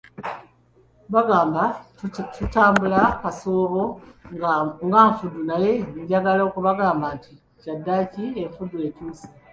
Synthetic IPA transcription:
βaɡaːmba | tutaːmbulakasoːβo̞ | ŋɡaɱfudunaje̞ɲɟaɡalaokuβaɡaːmbanti | cadːacieɱfudue̞tuːsi̥

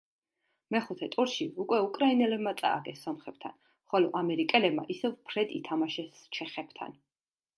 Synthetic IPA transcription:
mɛχut̪ʰɛt̪ʼuɾʃiukʼwɛukʼɾainɛlɛbmat̪sʼa̰ːɡɛsːɔmχɛb̥t̪ʰa̰n | χɔlɔʔamɛɾikʼɛlɛbma̰ʔisɛvpʰɾɛd̪ʼḭt̪ʰamaʃɛs | t͡ʃʰɛχɛb̥t̪ʰa̰n

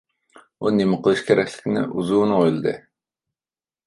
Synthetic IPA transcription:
unemɪqʰəlˠɨʃkʲʰeɾɛkʲlɪ̥kʲnɪ̰ʔuzuːnɨojlˠɨd̪ɨ

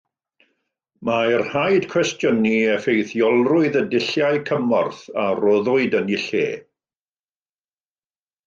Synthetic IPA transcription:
marhajd̥kʰwɛstjəniɛfejθjɔlˠrʊɨðədɪɬjaɨjkʰəmɔrθarɔðʊɨdənɪɬḛː

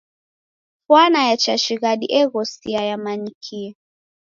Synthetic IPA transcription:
fwanajat͡ʃaʃiɣaɗḭʔɛɣɔsiajamaɲikʰiɛ

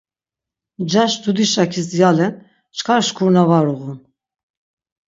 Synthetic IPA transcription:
d͡ʒaʃd̪ud̪iʃakʰisjalɛn | t͡ʃʰkʰaɾʃkʰuɾnavaɾuɣun

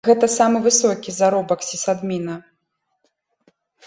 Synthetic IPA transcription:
ɣɛt̪ɐsamɨvɨsɔkʲizaɾɔbɐksʲisad̪mʲinɐ

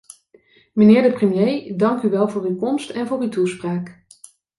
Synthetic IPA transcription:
mənɪːɹdəprəmjejdɑŋkyʋɛlˠvʊːrykɔmstɛnvʊːrytuspraːk

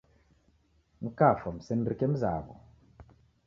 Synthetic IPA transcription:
ŋ̩kafam̩sɛnɾikɛm̩zaɡɔ̰

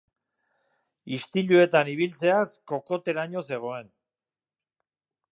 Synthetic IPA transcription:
ist̪iʎue̞t̪aniβilt͡se̞asko̞ko̞t̪e̞ɾaɲo̞se̞ɣ̞o̞e̞n

